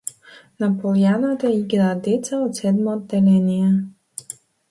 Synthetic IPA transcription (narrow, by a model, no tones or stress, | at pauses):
napolʲˠjanat̪əiɡnad̪it̪səot̪sʲɛd̪mod̪ːɛlɛnʲijɛ